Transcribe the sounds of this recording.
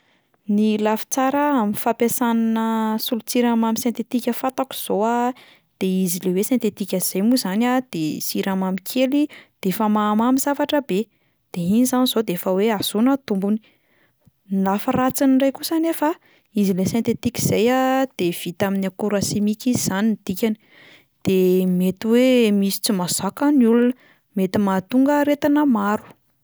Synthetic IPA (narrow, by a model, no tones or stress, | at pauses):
nilafi̥t͡saɾəaminfapesananəsulut͡siɾamamisẽnt̪et̪ikʲəfat̪aku̥z̥oa | d̪̥eizilewesẽnt̪et̪ikʲaz̥ejmuzanad̪̥esiɾamamikʰelid̪̥efəmamamiz̥avaʈ͡ʂəbe | d̪̥einizanizod̪eefəweaz̥unət̪umbuni̥ | nilafərat͡sinirajkusanefə | izilesẽnt̪et̪iki̥z̥ejad̪̥ev̥it̪aminakuɾasimikizz̥anind̪̥ikʲani̥ | d̪̥emet̪iwemisi̥t͡simazakəniulunə | met̪imat̪uŋɡəɾet̪anəmaɾu̥